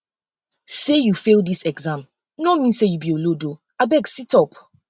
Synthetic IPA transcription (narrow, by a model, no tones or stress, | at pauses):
sejufeldisɛɡzãm | nɔmĩnsejubiolodo | abɛɡsitɔp